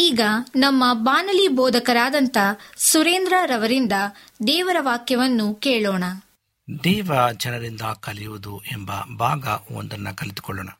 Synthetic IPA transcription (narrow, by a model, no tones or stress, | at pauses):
iːɡɐnɐmːɐbaːnɐlibɔːd̪ʱɐkɐɾaːd̪ɐnt̪ɐsuɾeːnd̪ɾaɾɐʋɐɾind̪ɐ | d̪ɛːʋɐɾɐʋaːkjɐʋɐnːukeːɭɔːɳɐ | d̪ɛːʋɐd͡ʒɐnɐɾind̪ɐkɐlijuʋud̪uʔembɐ̰bʱaːɡɐo̰nd̪ɐnːɐkɐlit̪u̥kɔɭːoːɳɐ